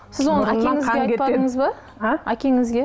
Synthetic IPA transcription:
sɪzwo̞nəækʲeŋɪzɡeɑjʲepɑəɴəzbə | aækʲe̞ŋɪzɡʲe

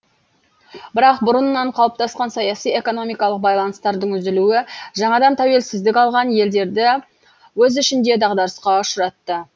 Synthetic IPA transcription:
bɪɾɑq̚bʊɾənːɑɴqʰɑlˠəp̚t̪ɑsqɑnsɑjɑsije̞ko̞no̞mijkɑlˠəq̚bɑjlˠɑnəst̪ɑɾd̪əɴʏzɪluɪʒɑɴɑd̪ɑnt̪ʰæwe̞lsɪzd̪ɪkʲɑlˠʁɑnje̞ld̪e̞ɾd̪ɪ | wɵzʏʃɪnd̪e̞d̪ɑʁd̪ɑɾəsqɑʊʃəɾɑt̪ːə

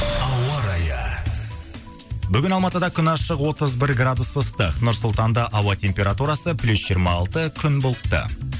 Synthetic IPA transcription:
ɑwɑɾɑjə | bʏɡʲɪnɑlˠmɑt̪əd̪ɑkʲʰʏnɑʃəqwo̞t̪əzbɪɾɡrad̪usəst̪əqnʊɾsʊlˠt̪ɑnd̪ɑʔɑwɑt̪ʰʲe̞mpʲe̞ɾat̪uɾɑsəplʲusʒ̥ijɾmɑːlˠt̪əkʲʰʏnbolˠəpt̪ə̰

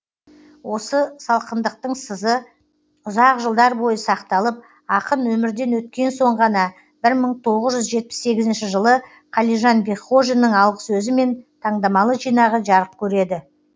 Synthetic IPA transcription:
wo̞səsɑlˠqənd̪əq̚t̪əɴsəzə | ʊzɑqʒəlˠd̪ɑɾbo̞jəsɑqt̪ɑlˠəp̚ | ɑqənwɵmɪɾd̪e̞nwɵt̪̚kʲe̞nso̞ɴʁɑnɑ | bɪɾməɴt̪ʰo̞ʁəzʒʏzʒe̞t̪̚pɪ̥sːe̞ɡʲɪzɪnʃɪʒəlˠə | qʰɑlˠijʒɑnbeχoʒnːəɴɑlˠʁəsɵzɪme̞nt̪ʰɑɴd̪ɑmɑlˠəʒijnɑʁəʒɑɾəp̚kʲʰɵɾe̞d̪ɪ

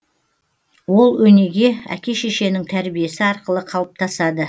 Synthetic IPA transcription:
wo̞lˠwɵne̞ɡʲe̞æ̰kʲe̞ʃeʃe̞nɪŋt̪ʰæɾbije̞sɪɑɾqəlˠəqʰɑlˠəp̚t̪ʰɑsɑd̪ə

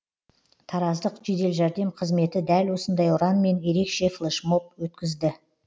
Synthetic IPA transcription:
t̪ʰɑɾɑzd̪əqʒe̞d̪e̞lʒæɾd̪e̞mqʰəzme̞t̪ɪd̪ælwo̞sənd̪ɑjʊɾɑnme̞nje̞ɾe̞kʃe̞flˠeʃmo̞p̚wɵt̪kʲɪzd̪ɪ

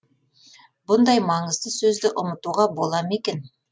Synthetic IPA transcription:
bʊnd̪ɑjmɑɴəzd̪əsɵzd̪ɪʔʊmət̪uʁɑbo̞lˠɑme̞kʲen

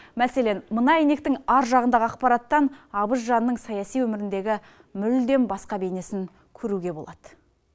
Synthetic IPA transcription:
mæse̞le̞nmənɑjene̞k̚t̪ɪŋɑɾʒɑʁənd̪ɑʁəɑq̚pɑɾɑt̪ːɑnɑbəʃ̬ʒɑnənːəɴsɑjɑsijwɵmɪɾɪnd̪e̞ɡʲɪ | mʏld̪e̞nbɑsqɑbe̞ne̞sɪŋ | kʲʰɵɾuɡʲe̞bo̞lˠɑd̪̥ə̥

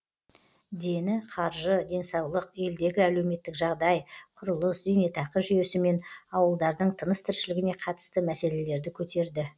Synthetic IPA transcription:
d̪e̞nɪqʰɑɾʒəd̪e̞nsɑwlˠəqe̞ld̪e̞ɡʲɪæle̞wme̞t̪ːɪkʒɑʁd̪ɑjqʰʊɾəlˠəszene̞t̪ʰɑqəʒʏje̞sɪme̞nɑwəlˠd̪ɑɾd̪əɴt̪ʰənəst̪ʰɪɾʃɪlɪɡʲɪne̞qʰɑt̪ə̥st̪əmæse̞le̞le̞ɾd̪ɪkʲʰɵt̪e̞ɾd̪ɪ

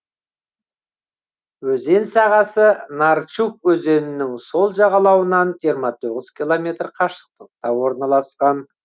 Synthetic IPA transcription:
wɵze̞nsɑʁɑsənɑɾt͡ʃuk̚wɵze̞nɪnɪŋso̞lˠʒɑʁɑlˠɑwənɑnʒiəɾmɑt̪ʰoʁəz̥kʲʰilˠomʲe̞t̪rqʰɑʃə̥q̚t̪əq̚t̪ɑwo̞ɾnɑlˠɑsqɑn

